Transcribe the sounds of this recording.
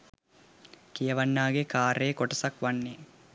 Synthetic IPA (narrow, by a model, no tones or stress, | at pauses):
kijɐʋɐnːaːɡekaːɾeːkoʈɐsɐkʋanːe